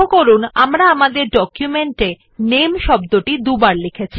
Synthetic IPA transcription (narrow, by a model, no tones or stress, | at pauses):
okoɾunamɾaamad̪eɾɖɔkjumeɳʈe | nemʃɔbd̪oʈid̪ubaɾlekʰet͡ɕʰi̥